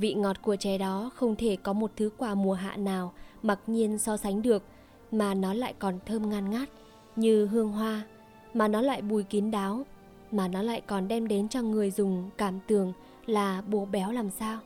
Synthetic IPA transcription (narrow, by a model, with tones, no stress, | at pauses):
vḭ˧˨ŋɔ˨˩t̚ku˧˩ət͡ɕɛ˧˩ɗɔ˨˦xə˧wŋ͡mt̪ʰe˧˩kɔ˨˦mo˨˩t̚t̪ʰɨ˨˦kwaː˧˩mu˨˩əɦa̰ː˧˨naː˨˩wma˨˩t̚ɲi˧ənsɔ˧sa˨˦ŋ̟ɗɨ˨˩ək̚ | maː˨˩nɔ˨˦la̰ː˧˨jkɔ˨˩nt̪ʰəː˧mŋaː˧nŋaː˦˥t̚ | ɲɨ˧ɦɨ˧əŋɦwaː˧ | maː˨˩nɔ˨˦la̰ː˧˨jɓu˧˨˩jki˨˦ənɗaː˨˦w | maː˨˩nɔ˨˦la̰ː˧˨jkɔ˨˩nɗɛ˧mɗe˨˦nt͡ɕɔ˧ŋɨ˨˩əjzʊ˨˩ŋ͡mkaː˧˩mt̪ɨ˨˩əŋ | laː˨˩ɓo˨˩ɓɛ˨˦wlaː˨˩msaː˧w